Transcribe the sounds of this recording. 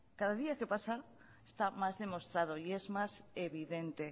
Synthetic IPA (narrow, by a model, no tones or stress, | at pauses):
kaðaðiake̞pasa | est̪amazðe̞mo̞st̪ɾað̞o̞ie̞zmase̞βiðe̞nt̪e̞